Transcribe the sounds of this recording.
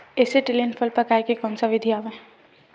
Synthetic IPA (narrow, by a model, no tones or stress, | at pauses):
ɛːseʈɪlenfʰəlpɐɾkaːekekɔ̃ːnsaʋɪd̪ʱiaːʋe